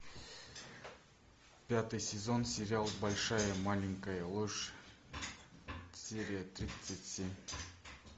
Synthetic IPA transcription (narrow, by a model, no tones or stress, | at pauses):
pʲat̪ɨjsʲezo̞nsʲeɾʲɪalˠbolʲʂajəmalʲɪŋkəjəlˠoʐ | sʲeɾʲijət̪rʲit̪sɨtʲsʲemʲ